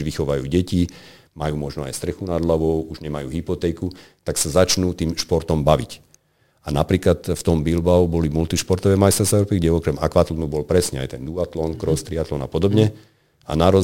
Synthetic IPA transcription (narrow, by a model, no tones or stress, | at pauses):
ʋixɔʋajṵːɟɛci | majuːmɔʒnɔa̰jst̪ɾɛxunad̪laʋɔʊuʒɲɛmajuːɦipɔt̪ɛːku | t̪aksazat͡ʃnuːt̪iːmʃpɔɾt̪ɔmbaʋḭc | anapɾiːklat̪ft̪ɔmbilbaubɔlimult̪iʃpɔɾt̪ɔʋɛmajst̪ɾstɛɾɔpiɡɟɛʋɔkɾɛma̰kʋat̪lɔnubɔlpɾɛsɲɛa̰jt̪ɛnd̪uat̪lɔnkɾɔst̪ɾiat̪lɔnapɔd̪ɔbɲɛ | a̰naɾɔ